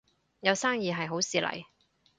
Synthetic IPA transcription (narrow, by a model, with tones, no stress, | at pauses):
jɐ˨˧wsaː˥ŋjiː˨ɦɐ˨jɦo˨˥wsiː˨lɐ̰˨˩j